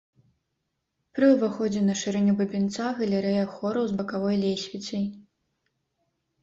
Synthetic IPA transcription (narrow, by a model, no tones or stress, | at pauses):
pɾɨuvaxɔd͡zʲɛnɐʂɨɾɛnʲubɐbʲint̪saɣɐlʲɛɾɛjɐxɔɾɐwzbɐkavɔjlʲejsʲvʲit͡ssʲɐj